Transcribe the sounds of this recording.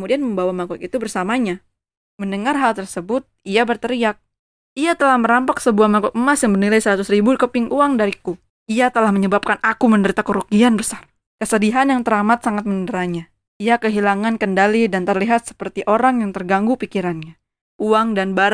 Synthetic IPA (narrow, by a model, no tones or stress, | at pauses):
kmudianməmbawamakɔkit̪ubərsamaɲa | məndəŋarɦalt̪ərsəbʊt̪̚iabərt̪əɾiak̚ | iat̪əlahməɾampaksəbuahmakɔk̚əmasjaŋbərnilajsəɾat̪ʊsribukəpɪŋʔuaŋdaɾiku | iat̪əlahməɲəbap̚kanʔakuməndəɾit̪akəɾuɡianbəsar | kəsədiɦanjaŋt̪əɾamat̪̚saŋat̪̚məndəɾaɲa | iakəɦilaŋankəndalidant̪ərliɦat̪̚sə̥pərt̪iʔoɾaŋjaŋt̪ərɡaŋɡupikiɾanɲa | ʔuaŋdanbaɾ